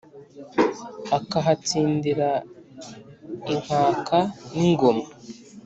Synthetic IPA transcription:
akaɦat͡siːndiɾa | iŋ̥aːkʰaniŋɡo̞ma

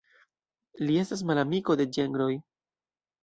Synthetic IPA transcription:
lie̞stas̬malamiko̞de̞d͡ʒe̞ŋɡɾo̞j

